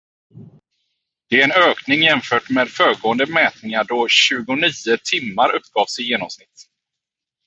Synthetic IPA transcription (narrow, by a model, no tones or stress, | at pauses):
d̪̥ɛæɾɛnøːknɪŋjɛmfœːʈmɛːd̪fœːɡoːənd̪əmɛːt̪nɪŋaɖɔɕʉ̟ːɡʊniːət̪ʰɪmːaɾʔɵpːɡɑːvsɪjeːnɔmsnɪt̪ː